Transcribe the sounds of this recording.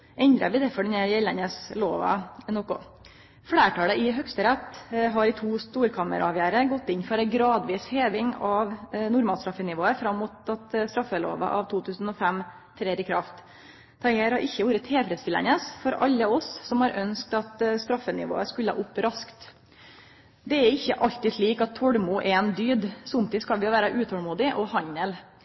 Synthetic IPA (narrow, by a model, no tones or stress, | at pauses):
ʔɛnd̪ɾə̰blɪd̪ɛfɔɖɛnæɾjɛlənəsloːʋɑ̰nɔkʊ̰ | fɽeːʈɑːləʔɪɦœkst̪əɾɛt̪ːɦɑɾɪt̪ʰuːst̪uːɾkʰɑmə̰ɾɑɑʋjæːɾəɡɔt̪ːɪnfɔɾæɪɡɾɑːd̪ʋiːsheːʋɪŋɑʋnʊɾmɑːlst̪ɾɑfːənɪʋoːəfɾɑmːʊt̪ɑt̪st̪ɾɑfːəlo̰ːʋɑ̰ʔɑ̰ʋt̪ʰuːt̪ʰʉːsn̩ɔfæm | t̪ʰɾeːɾɪkʰɾɑft̪ʰ | ɑɪeɾhɑɾʔɪçːəʋuːɾət̪ʰheːfɾɛd̪st̪ɪlə̰nəsfɔɾʔɑ̰lːəɔssɔmhɑɾʔœnsk̚t̪ɑt̪st̪ɾɑfːənɪ̰ʋo̰ːəskʉləɑ̰ʔʊpːɾɑskt̪ | d̪ɛæɾɪçːəʔɑʎt̪ɪt̪liːkɑt̪ʰːɔɽmʊʔɛɛnd̪yːd̪sʊmt̪ɪskɑlʋɪʋæːɾɑʔʉːt̪ʰɔlmuːd̪ɪʔɔhɑɲəl